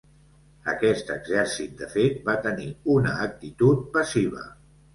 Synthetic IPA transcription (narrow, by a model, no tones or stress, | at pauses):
əkɛst̪əɡzɛɾsit̪̚d̪əfet̪̚bat̪əniunəːk̚t̪it̪ut̪̚pəsiβ̞ə̰